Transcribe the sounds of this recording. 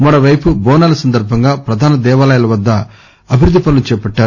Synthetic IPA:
mɐɾoʋɐjpubɔːnaːlɐsɐnd̪ɐɾbʱɐŋɡaːpɾɐd̪ʱaːnɐd̪ɛːʋaːlɐjɐlɐʋɐd̪ːɐ | ɐbʱiɾud̪ːipɐlɐlut͡ʃɛːpɐʈːaːu

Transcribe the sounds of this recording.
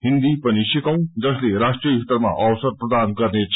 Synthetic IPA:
ɦɪ̃nd̪ipɐniʃɪkɐũd͡zɐsleɾaːʂʈɾiit̪əɾmã̰ʔɔːʋsəɾpɾɐd̪aːnkɐɾneːt͡ʃʰ

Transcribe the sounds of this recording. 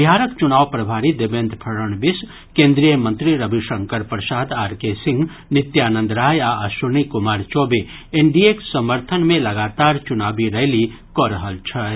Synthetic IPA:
bijaːɾəkt͡ʃʊnaːwpɾəbʱaːɾid̪ebẽːnd̪ʱpʰəɾəɳbɪs | kẽːnd̪ɾijəmə̃nt̪ɾiɾəbʱiʃə̃ŋkəɾpɾəʃaːd̪aːɾkesɪ̃ŋɡ | nɪt̪jaːnə̃nd̪ɾaːjaəʃunikʊmaːɾt͡ʃoːbe | eɳɖieksəməɾt̪ʰənmẽlɐɡaːt̪aːɾt͡ʃʊnaːbiɾɐɦli | kɔɾəɦəlt͡ʃʰɐ

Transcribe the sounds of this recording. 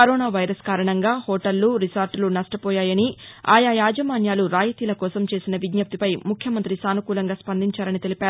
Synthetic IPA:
kɐɾɔːnaːʋɐjɾɐskaːɾɐɳɐŋɡaːhɔːʈɐlːuɾisaːɾʈlunɐʂʈɐpɔːjaːjɐnia̰ːjajaːd͡ʒɐmaːnjaːluɾaːjɐt̪iːlɐkɔːsɐmt͡ʃe̞ːsinɐʋid̪jɐp̚t̪ipɐjmukʰjɐmɐnt̪ɾisaːnukuːlɐŋɡaːspɐnd̪iɲt͡ʃaːɾɐnit̪e̞lipaːɾuu

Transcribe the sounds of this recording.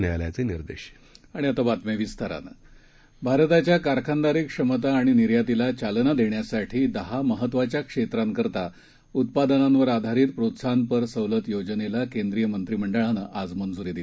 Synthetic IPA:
nɛlja̰t͡seniɾd̪ḛɕ | aɽ̃iət̪əbat̪meʋist̪aɾa̰nə̰ | bʱaɾət̪at͡ɕjakaɾkʰand̪aɾiːkʂəmət̪̬aːɽ̃iniɾjat̪ilat͡ɕalnad̪eɳjasaʈʰiːd̪əɦaməɦət̪ːʋat͡ɕjakʂet̪ɾamkəɾt̪a | ut̪̚pad̪ənanʋəɾad̪ʱaɾiːt̪̚pɾot̪sanpəɾsəwlət̪jod͡ʑnelakend̪ɾijəmənt̪ɾim̤əɳɖəɭanəʔad͡zmənd͡zuɾid̪it̪

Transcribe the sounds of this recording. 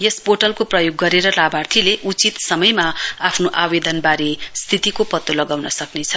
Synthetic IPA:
jespoʈʌlkoprʌjoɡːʌɾeɾʌlabʱart̪ʰileʔut͡sit̪sʌmʌjmaapʰnoʔabed̪ʌnbaɾest̪ʰit̪ikopʌt̪ːolʌɡawnʌsʌknet͡sʰʌ

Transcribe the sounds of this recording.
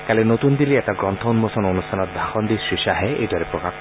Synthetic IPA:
kalenot̪und̪iliɛʈaɡɾɔnt̪ʰɔunmosɔnonustʰanɔd̪ʱaxʰɔnd̪isɾiʃaɦeḛd̪waɾepɾɔkak

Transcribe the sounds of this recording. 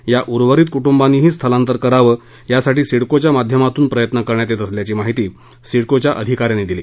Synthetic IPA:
jaʔuɾʋəɾiːt̪̚kuʈumbanːiːɦiːst̪ʰəlãnt̪əɾkəɾaʋəː | jasaʈiːsiɽkot͡ɕjamad̪ʱjəmat̪uːnpɾəjət̪nəkəɾɳjat̪et̪əsljat͡ɕiːmaɦit̪iː | siɽkot͡ɕjaʔəd̪ʱikaɾjãnːiːd̪iliː

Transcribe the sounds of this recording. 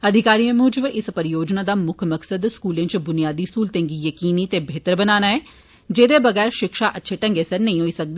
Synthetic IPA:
əd̪ʱɪkaːɾiẽmʊːd͡ʒəʋɪspəɾɪjoːd͡ʒnaːd̪aːmʊkʰməksəd̪skuːlẽt͡ʃbʊnijaːd̪iːskuːlt̪ẽːŋɡijəkiːnit̪eːbʱeːt̪əɾbənaːnaːɛː | d͡ʒeːd̪eːbəɣɛːɾʃɪkʃaːʔətːʃʰeːʈə̃ŋɡeːsəɾnəĩɦoːiːsək̚d̪eː

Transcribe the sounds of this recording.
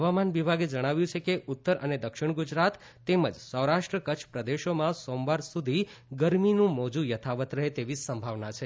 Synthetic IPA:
ɦəʋamanʋibʱaɡed͡ʒəɽ̃aʋjũt͡ʃʰekeut̪ːəɾʔə̰ned̪əkʃɪɳ̃ɡud͡ʒɾat̪ː | eməd͡ʒsəwɾaʃʈɾəkət͡ʃʰpɾəd̪eʃomãsomʋaɾsud̪ʱiɡəɾminũmod͡ʒũjət̪ʰaʋət̪ɾəɦet̪eʋisəmbʱaʋnat͡ʃʰe

